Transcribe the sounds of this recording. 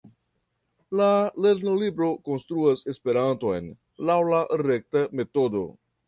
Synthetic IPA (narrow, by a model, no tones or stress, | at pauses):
lale̞ɾnolibɾo̞ko̞nst̪ɾuase̞spe̞ɾanto̞jn | lawlaɾe̞k̚tame̞to̞do̞̰